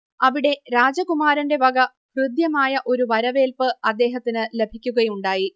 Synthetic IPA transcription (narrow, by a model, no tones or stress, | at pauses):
ɐʋiɽe̞ɾaːd͡ʑɐkumaːɾɐnde̞ʋɐɡɐ | hrɨd̪jɐmaːjɐʔo̞ɾuʋɐɾɐʋe̞ːlpɨɐd̪ːe̞ːɦɐt̪ːinɨle̞bʱikʲːuɣɐjuɳɖaːji